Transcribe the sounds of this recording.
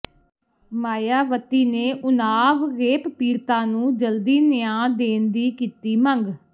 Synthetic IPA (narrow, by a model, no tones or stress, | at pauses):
maːjaːʋət̪ːiːneːʔʊnaːʋɾeːppiːɾt̪ãːnũːd͡ʒəld̪iːnɪjãːd̪eːnd̪iːkiːt̪iːməŋɡ